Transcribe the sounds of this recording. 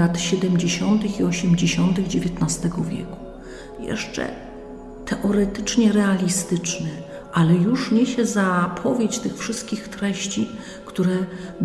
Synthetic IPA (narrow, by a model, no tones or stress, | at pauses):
at̪ɕɛd̪ɛmd͡ʑeɕɔnt̪ɘxiɔɕɛmd͡ʑeɕɔnt̪ɘɣd͡ʑevʲjɛt̪nast̪ɛɡɔvʲjɛ̰ku̥ | jɛ̰ʂt͡ʂɛ̰ | t̪ʰɛʔɔɾɛt̪ɘt͡ʂɲɛɾɛalʲist̪ɘt͡ʂnɘ | ʔalɛjuʂɲɛɕɛzapʰɔvʲjet͡ɕt̪ɘxfʂɘst̪̚kʲixt̪ɾɛɕt͡ɕi | kt̪uɾɛ